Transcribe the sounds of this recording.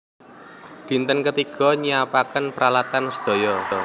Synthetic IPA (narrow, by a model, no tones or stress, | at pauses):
d̪̥i̤nt̪ənkət̪iɡ̥ɔ̤ɲiapakənpəɾalat̪ansə̥d̪̥o̤jɔ